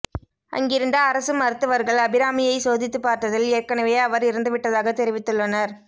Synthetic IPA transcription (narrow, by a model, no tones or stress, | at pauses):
ʔɐ̰ŋɡɪɾɯnd̪ɐːɾɐsɯmɐɾɯt̪ːɯʋɐɾɣɐɭɐbɪɾaːmɪjɐɪsoːðɪt̪ːɯpːaːɾʈːɐðɪleːɾkɐɳɐʋeːɐʋɐɾɪɾɯnd̪ɯʋɪʈːɐðaːɣɐt̪ɛɾɪʋɪt̪ːɯɭːɐnɐɾ